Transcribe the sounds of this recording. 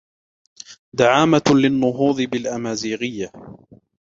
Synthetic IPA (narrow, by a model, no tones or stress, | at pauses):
d̪aʕaːmalɪnːʊɦuːðˤɨbɪlʔamaːziːɣɪjːa